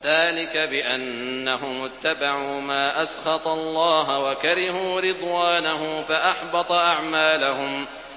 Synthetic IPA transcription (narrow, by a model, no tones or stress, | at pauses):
ðaːlɪkabɪʔanːaɦʊmʊt̪ːabaʕuːmaːʔasxɑt̪ˤɑlˤːɑːɦwakaɾɪhuːɾɪd̪ˤwaːnaɦʊmfaʔɑħbɑt̪ˤɑʔaʕmaːlahʊm